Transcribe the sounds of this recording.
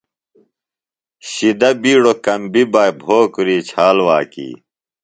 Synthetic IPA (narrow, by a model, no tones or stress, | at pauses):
ɕid̪ɐbiːɽokɐmbibɐjbʱoːkɾiːt͡ɕʰaːlwaːkḭː